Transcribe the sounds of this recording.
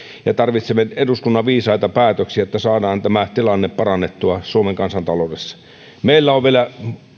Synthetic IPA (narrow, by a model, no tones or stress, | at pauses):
jɑt̪ɑrʋit̪semeeduskunːɑʋʋiːsɑit̪ɑpæːt̪øksiæot̪ːæsɑːdɑːnt̪æmæt̪ilɑnːeppɑrɑnːet̪ːuɑsuomeŋkɑnsɑnt̪ɑlodesːɑ̥ | meilːæoʋʋielæ